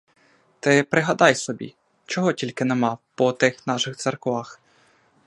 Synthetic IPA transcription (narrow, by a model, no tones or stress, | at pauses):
t̪ɪpɾɪɦɐd̪ɑjsɔbʲḭ | t͡ʃɔɦɔtʲilʲkɪnemɑpɔt̪ɪxnɑʃɪxt̪sɛrkʋɑx